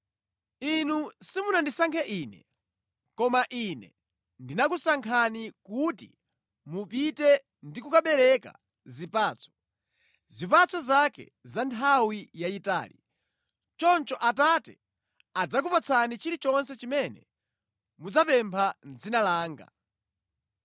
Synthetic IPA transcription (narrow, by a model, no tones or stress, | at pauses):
inusimunandisaŋkʰɛʔiːnɛ̰ | kɔmaʔinɛ̰ | ndinak̬usaŋkʰanikutḭ | mupitɛ | ndikukaɓɛɾɛka̰ | zipaːt͡sʰɔ̥ | zipat͡sʰɔzakɛ̰zantʰawijaita̰ːli | t͡ʃɔnt͡ʃɔʔatatɛ | ad͡zak̬upat͡sʰanit͡ʃiɾit͡ʃɔnsɛt͡ʃimɛnɛ̰ | mud͡zapɛmpʰand͡zinalaːŋɡa̰